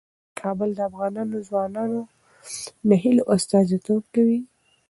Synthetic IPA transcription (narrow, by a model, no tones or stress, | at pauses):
kʰɑbəld̪əafɣɑnɑnozwɑnɑno | naɦɪlʔʊst̪ɑzit̪ob̚kawi